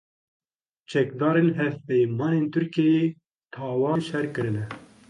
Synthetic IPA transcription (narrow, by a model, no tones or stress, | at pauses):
t͡ʃʰɛk̚d̪ɑːɾeːnɦɛvpɛjmɑːneːnt̪ʰʊɾkiɛjeː | t̪ʰɑːwɑːnʃɛɾkɨɾɨnɛ